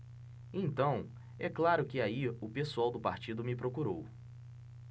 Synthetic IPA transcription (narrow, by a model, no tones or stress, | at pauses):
ẽt̪ɐ̃w̃ | ɛklaɾʊkɪaiʊpesuawd̪ʊpaɾt͡ʃid̪ʊmɪpɾokuɾow